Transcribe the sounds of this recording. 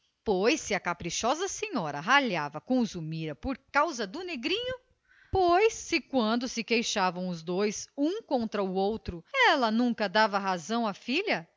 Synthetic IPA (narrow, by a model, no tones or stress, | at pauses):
pojsːɪɐkapɾiʃɔzɐseɲɔɾɐɦaʎavɐkõzumiɾɐpoɾkawzɐd̪ʊneɡɾĩɲʊ | pojsːɪkwɐ̃nd̪ʊsɪkejʃavɐ̃w̃ʊzd̪ojsũkõnt̪ɾɐuowt̪ɾʊɛlɐnũkɐd̪avɐɦazɐ̃w̃afiʎɐ